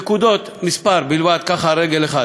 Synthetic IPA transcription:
kud̪o̞t̪mispaɾbilvad̪̚kaχaɾeɡeleχa

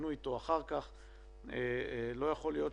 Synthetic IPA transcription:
nujt̪oaχaʁkaχ | elo̞jaχo̞lijo̞t

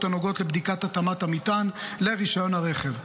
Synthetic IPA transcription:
t̪anoɡo̞t̪lebd̪ikat̪at̪amat̪amit̪anle̞ʁiʃajo̞nhaʁe̞χev

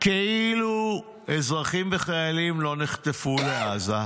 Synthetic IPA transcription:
keilu | ezʁaχimveχajalimlo̞niχt̪efuleaza

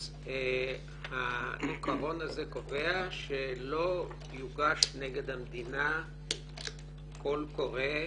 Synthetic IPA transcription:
e | halikaʁo̞nazeko̞veaʃelo̞ | juɡaʃneɡe̞d̪hamd̪ina | ko̞lko̞ʁe

